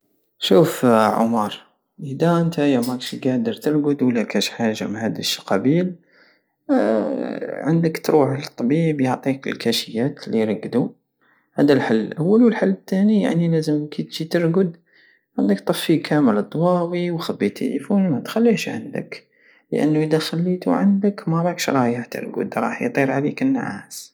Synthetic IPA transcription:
ʃufʕʊ̰mɑɾˤ | ʔəd̪æʔənt̪ajæmækʃɡæd̪əɾt̪əɾˤɡʊd̪wəlːækæʃħaʒamahæd̪əʃqɑbiːl | ʕə̰nd̪əkt̪ɾuħlt̪ˤːɑbiːbjoʕt̪ˤiklkʰæʃəjːæt̪liɾˤɑɡːd̪u | hæd̪alħalːʔawːalwəlħalːət̪ːænija̰ʕnilæzəmkit̪ʒit̪əɾɡʊd̪ | ʕand̪əkt̪ˤɑfːikʰæməld̪ˤːwɑːwiwxæbːit̪ʰːḛlḭfunmæt̪xælːiʃʕa̰nd̪ə̰k | lə̰ʔə̰nːuʔəd̪axælːit̪ṵʕa̰nd̪əkmɑɾˤɑkʃɾˤɑjəħt̪ə̰ɾɡʊ̰d̪ɾˤɑ̰ːħjt̪ˤiɾʕalikənːʕa̰ːs

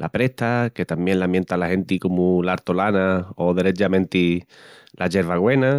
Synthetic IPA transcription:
lʔa̰pɾe̞ht̪ake̞t̪ambjenlamjent̪alahe̞nt̪ikomulaɾt̪olanaoðeɾe̞t͡ʃamẽnt̪ilʔaʝe̞ɾβaɣwe̞na

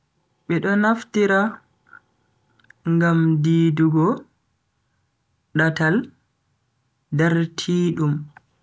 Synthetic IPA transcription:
ɓɛɗɔnaftiɾa | ŋɡamdiːduɡɔ | ɗatal | daɾtʰiːɗum

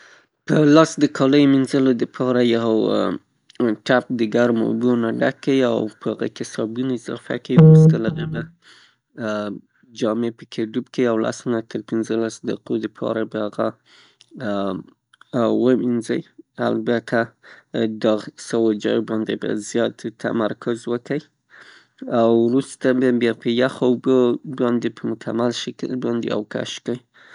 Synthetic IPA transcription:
pəlɑsd̪əkʰɑləjominzəlod̪əpʰɑɾajaɦo | ʈap̚d̪əɡaɾmo̰bunaɖakːawia̰wpəhaɣa̰kɪsɑbunaɪzɑ̰fa̰kawiust̪əlaɣaba | d͡ʒɑmepəkʰeɖubkeiawla̰snat̪əɾpɪnzəlasd̪aqod̪əpʰɑ̰ɾabahaɣa | wəminzəja̰lbat̪ʰa | d̪ɑsawod͡ʒɑ̰jobɑnd̪eba̰zjɑt̪ːa̰maɾkʰʊzwəkəj | awɾust̪ababjɑpʰəjaxabəbɑnd̪epəmʊkʰamalʃakə̰lbɑnd̪ḛa̰wka̰ʃkəj

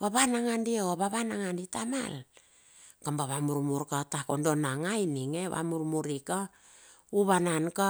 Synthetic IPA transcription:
βaβanaŋandieaβaβanaŋanditama̰l | kambaβamuɾmuɾkatako̞ndo̞naŋajniŋeβa̰muɾmuɾika | uβananka

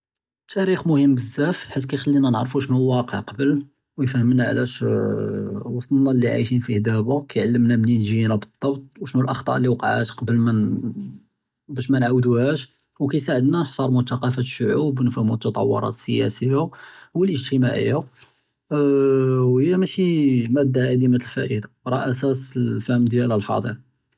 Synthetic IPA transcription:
t̪ʰːæɾixmʊhəmːbəzːæfħat̪ːkæjxəlːinænəʕɾˤfuʃnuwːɑqə̰ʕqɑbəl | wjfhəmnaʕ̰læʃ | wɑsˤt̪ˤlnɑlːiʕa̰jʃinfihd̪æbukæjʕalːəmnæmninʒinæbəd̪ˤːɑbt̪̚ˤwʃnulʔɑxt̪ˤɑ̰ʔlːiwqɑʕa̰t̪qɑbəlmæn | bæʃmænʕawd̪uhæʃ | wkæjsaʕəd̪nænħsˤɑɾˤmʊt̪ɑqɑfæt̪ə̥ʃːʊʕubnfæmut̪ːɑt̪ˤɑ̰wːo̰ɾˤɑ̰t̪səjæ̰səjawəlʔəʒt̪əmaʕə̰jːa | whəjːæmæʃimæd̪ːaʕad̪imæt̪əlfæʔəd̪aɾˤɑʔæsæsəlfæhəmd̪jæləlħɑ̰d̪ˤḭɾ

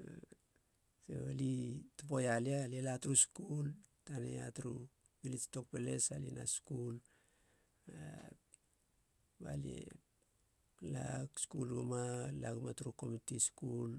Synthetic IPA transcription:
sḛalitopo̞jalialielatuɾuskul | tanḛatɾu | bilit͡ʃto̞k̚pele̞̰salḭna̰skul | a | ba̰lḛ | laɡskulɡumalaɡumatuɾuko̞mitiskul

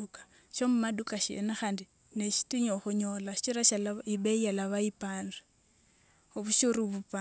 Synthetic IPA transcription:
ukḁ | ʃomumadukaʃḛnaxandi | neʃi̥tiɲoxuɲolaʃi̥t͡ʃiɾaʃalaiɓeijalaβaipanri | oβuʃuruβupa

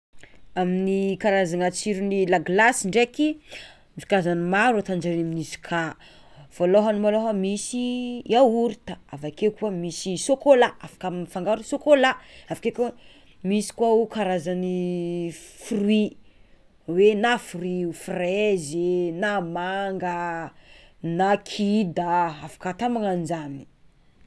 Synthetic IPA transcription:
aminikaɾazanat͡siɾunilaɡlasiɳɖ͡ʐeki | zu̥kazanimaɾat̪and͡ʒaɾaminizu̥kʰa | v̥oloɦanumaloɦəmisiauɾit̪aavakekuamisisokolaafḁkamfaŋɡaɾusokolaafḁkek | misi̥kwaukaɾazani | furwi | wenafurwiufrezenamaŋɡə | nakʰid̪aafḁkat̪amaŋand͡ʒani̥

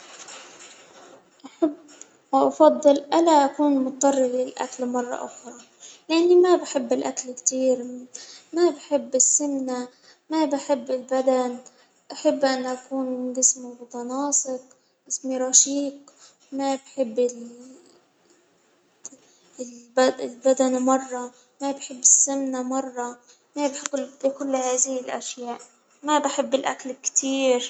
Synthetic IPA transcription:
ʔaħabː | waʔɑfɑd̪ˤːɨlʔalaʔakuːnmʊt̪̚t̪ˤːɑrˤːɪlɪlʔa̰kalmɑrˤːɑ̰ʔʊ̰xɾˤɑ | lɪʔanːimabħɪbːɪlʔakalkt̪iːɾmabħɪbːɪsːɪmna | mabɪħɪbːɪlbad̪an | ʔaħɪbːʔanːʔakuːnɡɪsmimʊt̪ˤɑnɑːsˤɪq̚ | ɡɪsmiɾˤɑʃiːq | mabħɪbːɪl | lbaɪlbad̪anmɑrˤːɑ | mabħɪbːɪsːamnamɑrˤːɑ | mabɪħɪbːkʊlːhaːðɪhɪlʔa̰ʃjaːʔ | mabɪħɪbːɪlʔa̰kalkt̪ʰiːɾ

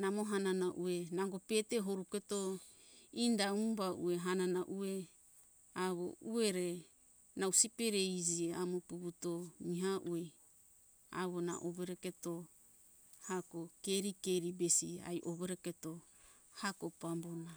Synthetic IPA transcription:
namoɦananaʔuenaŋɡopeteɦoɾuketo | indaubaṵeɦananaʔue | aβo̰ueɾe | nawsipeɾejd͡ʒieamopuβutomiɦaʔue | a̰βona̰ʔoβeɾeketo | hakokeɾikeɾibesia̰jʔoβeɾeketo | hakopambona

